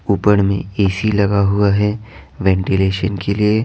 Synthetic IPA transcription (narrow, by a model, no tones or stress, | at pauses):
uːpəɽmḛ̃eːsilɐɡaɦuaɦɛʋɛ̃ːɳʈileːʃənkelie